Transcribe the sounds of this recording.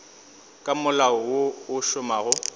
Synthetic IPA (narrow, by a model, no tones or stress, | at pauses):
kʼamʊlaɔwoʊʃʊmaːɣʊ